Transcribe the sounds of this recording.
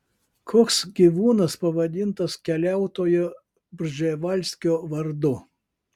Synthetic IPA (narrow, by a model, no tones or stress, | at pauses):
kʰoːksɡʲiʋuːnɐspɐʋɐd̪ʲɪnt̪ɐskʲɛlʲæˑʊt̪oːjo | bʲɾʲʒʲeʋɐlʲsʲkʲoːʋɐɾd̪ʊ